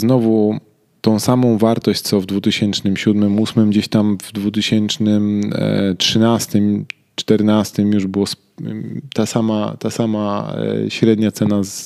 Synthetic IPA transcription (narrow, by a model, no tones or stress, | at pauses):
znɔvu | t̪ɔ̃w̃samɔ̃w̃vaɾt̪ɔɕt͡ɕtsɔvd̪vut̪ɘɕɛnt͡ʂnɘmɕud̪mɘmusmɘmd͡ʑeɕt̪amvd̪vut̪̬ɘɕɛnt͡ʂnɘmtʂɘnast̪ɘm | t͡ʂt̪ɛɾnast̪ɘmjuʐbɘwɔs | t̪asamat̪asama̰ɕɾɛd̪ɲat̪sɛnaz